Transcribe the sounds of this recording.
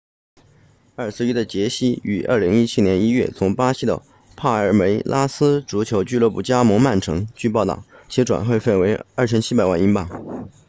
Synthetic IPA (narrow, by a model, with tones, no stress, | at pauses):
ə˞˥˩sɹ̩˥˧y˥d̪ə˨t͡ɕjɛ˧˥ɕi˥y˨˩ʔə̰˞˥˩li˧˥ŋi˥t͡ɕʰi˥njɛ˧˥ni˥ɥɛ̰˥˩t͡sʰʊ˧˥ŋpa˥ɕi˥d̪ə̰˧ | pʰa˥˩ə˞˧˥me˧˥ɪlʔa˥sɹ̩˥ʈ͡ʂu˧˥t͡ɕʰjo˧˥ʊt͡ɕy˥˧lwə˥˩pu˨˥˩t͡ɕja˥mɤ˧˥ŋma˥˩nʈ͡ʂʰɤ˧˥ŋt͡ɕy˥˧p̬ɑ˥˧ʊt̪ɑ̰˥˩ʊt͡ɕʰi˧˥ʈ͡ʂwa̰˨˩nxwe˥˧ɪfe˥˩nwe˧˥ɪə˥˩t͡ɕʰjɛ˥nt͡ɕʰi˥pa˨˩ɪwa̰˥˩ni˧˥npɑ˥˩˦ŋ